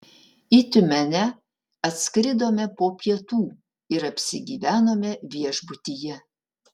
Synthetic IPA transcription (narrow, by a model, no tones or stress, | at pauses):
it̪ʲʊmʲɛnʲɛ | ɐt̪ʲskɾʲɪd̪oːmʲɛpoːpʲiɛt̪uː | ɪɾɐpʲsʲɪɡʲiːʋʲæːnoːmʲɛʋʲiɛʒbʊt̪ʲijɛ